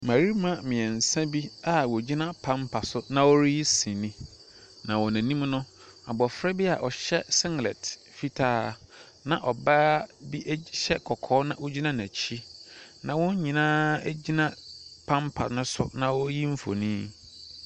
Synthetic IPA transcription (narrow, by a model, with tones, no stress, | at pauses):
mã˨ɾi˦mã˦mɪ̃˨ɛ̃˨n̩˨sã˦bi˦a˨wɔ˨d͡ʑi˦nã˦pʰã˦mpʰa˨sʊ˦nã˦wɔ˦ɾji˦sĩ˨nĩ˦ | nã˨wɔ˨næ̃˨nĩ˦m˦nʊ̃˦ | a̰˨bɔ˨fɾɛ˦bi˦a˨ʔɔ˨ɕɛ˦sɪ̃˦ŋ˨lɛ̰˨t | fi˦tʰaː˦ | nã˨ʔɔ˨ba˦bi˦ʔɕɛ˦kʰɔ˨kʰɔː˦nã˦ʔɔ˦d͡ʑi˦nã˦næ̃˨t͡ɕʰi˦nã˨wʊ̃˦ɲ˦ɲĩ˨nãː˦æ˦d͡ʑi˦nã˦pʰã˦mpʰa̰˨nʊ̃˦sʊ̰˦nã˦wɔ˦ji˦m̩˦fo̰˨nĩ˦